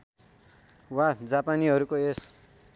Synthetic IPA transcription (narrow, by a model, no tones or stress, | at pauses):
wad͡zapaniʌɾukoes